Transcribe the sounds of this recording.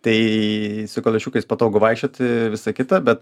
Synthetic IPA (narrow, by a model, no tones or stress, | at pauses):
t̪ɐɪsʊkolʲɛʃʲuːkɐɪspɐt̪oːɡʊʋɐɪkʃʲt͡ʃʲoːt̪ʲɪʋʲɪsɐkʲɪt̪ɐbʲɛt̪